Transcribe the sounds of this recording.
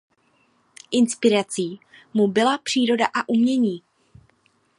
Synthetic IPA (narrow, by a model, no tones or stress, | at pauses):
ʔɪnspɪɾat͡siːmubɪlapr̝̥iːɾo̞daʔaʔumɲɛɲiː